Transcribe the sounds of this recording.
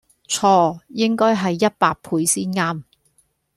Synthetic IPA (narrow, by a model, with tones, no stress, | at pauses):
t͡ʃʰɔː˧˥jɪ˥ŋkɔː˥jɦɐ˨jːɐ˥t̚paː˧k̚pʰuː˨˧jsiː˥nŋaː˥m